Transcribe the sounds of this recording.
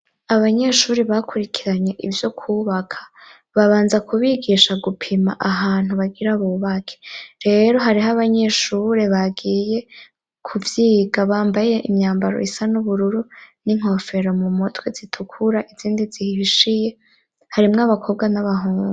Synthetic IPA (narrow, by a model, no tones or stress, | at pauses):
aβaɲe̞ʃuːɾiβakʰuɾikʰiɾaɲe̞ʔivjo̞kʰuːβakʰḁ | βaβaːnzakʰuβiɡiːʃaɡupʰima̰ʔaɦaːn̥huβaɡiɾaβuːβakʰe̥ɾe̞ɾo̞ɦaɾiɦaβaɲe̞ʃuɾe̞βaɡiːje̞ | kʰuvjiːɡaβaːmbaje̞ʔimɲaːmbaɾo̰isanuβuɾuɾuniŋ̥o̞fe̞ɾo̞mumotwezitʰukʰuɾaʔiziːndizihiiʃije̞ | haɾimŋaβakʰo̞bɡanaβaɦuːŋɡe